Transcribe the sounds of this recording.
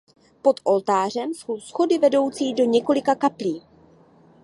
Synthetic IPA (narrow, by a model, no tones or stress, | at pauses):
po̞t̪ʔo̞lt̪aːr̝ɛmsowsxo̞dɪvɛdo̞wt͡siːdo̞ɲɛko̞lɪkakapliː